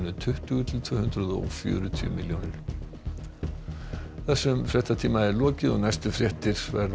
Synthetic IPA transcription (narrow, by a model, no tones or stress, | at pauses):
nʏt̪ʰʏht̪ʏɣʏt̪ʰɪlt̪ʰvœːhʏnt̪ɾʏðɔ̰fjœ̰ːɾʏt̪ʰʏʏ̰mɪljoːnɪɾ̥ | θɛsːʏmfɾjɛht̪at̪ʰiːmaɛɾlɔːcɪðɔɣnajst̪ʏfɾjɛht̪ɪɾ̥vɛ̰ɾ